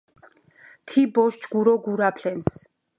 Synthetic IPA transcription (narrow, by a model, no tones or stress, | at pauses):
t̪ʰibɔʃd͡ʒɡuɾɔɡuɾapʰlɛns